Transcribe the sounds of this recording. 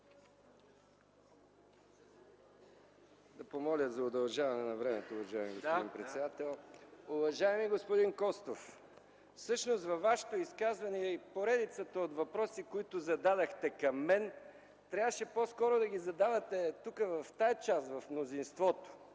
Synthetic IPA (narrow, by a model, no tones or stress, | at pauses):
d̪ɐpomɔlʲət̪zɐʊd̪ɐlˠʒavɐnɛnɐvɾɛmɛt̪oːvɐʒaɛmiɡospd̪impɾɛt̪sɛd̪at̪ɛlˠʊvɐʒaɛmiɡospod̪inkɔst̪of | fsɤʃnost̪vɐvːaʃɛ̥t̪oiskazvɐniɛipoɾɛd̪it̪sət̪əot̪vɐpɾɔsikoit̪ʊzɐd̪ad̪ɐxt̪ɛkɐmːɛn | t̪ɾʲavəʃɛposkɔɾʊd̪ɐɡizɐd̪avɐt̪ɛt̪ukəvɐft̪ajt͡ʃasvɐfmnozinst̪vɔt̪o̥